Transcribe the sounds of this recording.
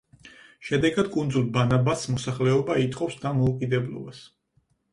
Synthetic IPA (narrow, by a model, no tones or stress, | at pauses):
ʃɛd̪ɛɡad̪̥kʼund̪zulˠbanabasmɔsaχlɛɔbait̪ʼqʼɔfsd̪amɔukʼid̪ɛblɔ̰bas